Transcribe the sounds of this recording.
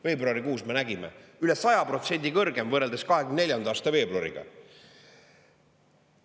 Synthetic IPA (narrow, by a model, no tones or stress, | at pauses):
fe̞ːbruɑɾikuːsme̞næɡimḛylesɑjɑpro̞t̪se̞nʲd̪̥ikɤrɡe̞mvɤre̞ld̪̥eskɑɦeɡymnnelʲjɑnd̪ɑːst̪ɑve̞ːbloɾḭɡ̥ɑ̰